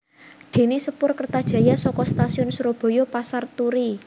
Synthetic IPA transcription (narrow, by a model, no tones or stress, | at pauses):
d̪̥e̤nesəpʊrkərt̪ad̥ʒ̥ä̤jasɔkɔst̪asiʊnsuɾob̥ɔ̤jopasart̪uɾi